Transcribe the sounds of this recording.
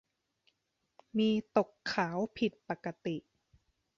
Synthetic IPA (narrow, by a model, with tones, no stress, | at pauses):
miː˧t̪o˨˩kʰːaː˩˦wpʰi˨˩t̪̚pa˨˩kːa˧t̪i˨˩ʔ